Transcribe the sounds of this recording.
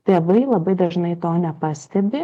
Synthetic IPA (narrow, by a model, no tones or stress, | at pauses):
t̪ʲeːʋɐɪlˠɐbɐɪd̪ɐʒnɐɪt̪oːnʲɛpɑːsʲt̪ʲɛbʲɪ